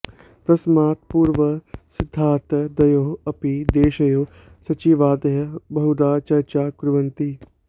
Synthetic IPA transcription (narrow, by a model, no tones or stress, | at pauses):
t̪ɐsmaːt̪̚puːɾʋəsɪd̪ʱːaːɾt̪ɐd̪ɐjoːɐpid̪eːʃɐjoː | sɐt͡ʃiːʋaːd̪ɐɦɐbɐɦud̪aːt͡ʃɐɾt͡ʃaːkɾʊʋɐ̃nt̪i